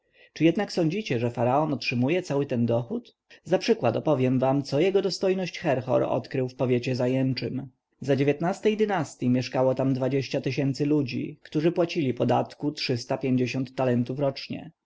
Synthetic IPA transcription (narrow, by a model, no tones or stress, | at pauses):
t͡ʂɘjɛd̪naksɔɲd͡ʑit͡ɕɛʐɛfaɾaɔnɔtʂɘmujɛt̪sawɘt̪ɛnd̪ɔxut̪ | zapʂɘkwat̪ɔpɔvʲjɛmvamt̪sɔjɛɡɔd̪ɔst̪ɔjnɔɕt͡ɕxɛɾxɔ̰ɾɔ̰t̪kɾɘwfpɔvʲjet͡ɕɛzajɛnt͡ʂɘm | zad͡ʑevʲjet̪nast̪ɛjd̪ɘnast̪ʲjimʲjɛʂkawɔt̪amd̪vad͡ʑeɕt͡ɕat̪ɘɕɛnt̪sɘlud͡ʑḭkt̪uʐɘpwat͡ɕilʲipɔd̪at̪kutʂɘst̪apʲjeɲd͡ʑeɕɔnt̪ːalɛnt̪ufɾɔt͡ʂɲɛ̰